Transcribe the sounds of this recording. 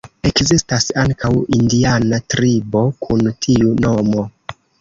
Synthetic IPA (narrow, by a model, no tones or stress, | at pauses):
e̞kzistasaŋkʰawindianatɾibo̞kʰuntʰiuno̞mo̞